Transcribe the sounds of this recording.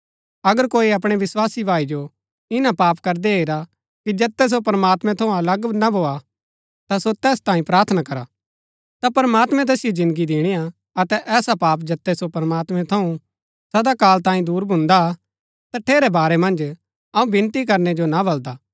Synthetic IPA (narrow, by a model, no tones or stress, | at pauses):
ɐɡəɾkoːiɐp̬ɽ̃eʋɪswaːsibʱaːid͡ʒo | ɪnapaːpkɐɾd̪eeːɾa | kid͡ʒɐt̪ːɛs̬opɐɾmaːt̪mɛ̃t̪ʰɐũɐləɡnabʱoːa | t̪asot̪ɛːst̪ãːĩpɾaːɾt̪ʰnakɐɾa | t̪apɐɾəmaːt̪mɛ̃t̪̬ɛːsijod͡ʒɪ̃nd̪ɡid̪eːɽ̃ija | ɐt̪ɛʔɛːsapaːpd͡ʒɐt̪ːɛsopɐɾmaːt̪mɛ̃t̪ʰɐũ | sɐd̪akaːlt̪ãːĩd̪uːɾbʱʊ̃nd̪a | t̪aʈʰeːɾɛbaːɾɛmɐ̃nd͡ʒ | ɐũbɪ̃nt̪ik̬ɐɾnɛd͡ʒonabɐld̪aː